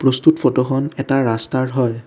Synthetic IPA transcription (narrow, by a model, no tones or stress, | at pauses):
pɹostutfʰɔtɔxɔnɛtaɹastaɹɦɔj